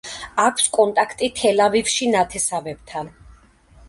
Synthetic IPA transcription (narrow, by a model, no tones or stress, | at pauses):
akʰskʼɔnt̪ʼakʰt̪ʼit̪ʰɛlavifʃinat̪ʰɛsavɛb̥t̪ʰan